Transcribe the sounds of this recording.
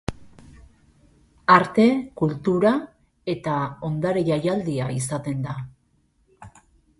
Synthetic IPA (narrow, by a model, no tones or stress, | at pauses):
aɾt̪e̞kult̪uɾa | e̞t̪ao̞nd̪aɾeʝajald̪iaisat̪e̞nd̪a